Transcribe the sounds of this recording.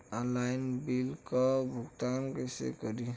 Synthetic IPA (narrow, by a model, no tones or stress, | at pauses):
ɔlajnbilkɔbʱuɡt̪ankesḛkɔɾi